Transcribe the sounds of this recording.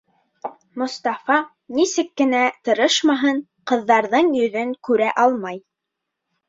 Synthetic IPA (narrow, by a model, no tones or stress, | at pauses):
mŏst̪ɑfɑ | nisɘkːɘ̆næt̪ɤ̆ɾɤʃmɑɦɤɴ | qɤ̆ðːɑɾðɤɴjɵ̆ðɵŋkʉɾæʔɑlˠmɑj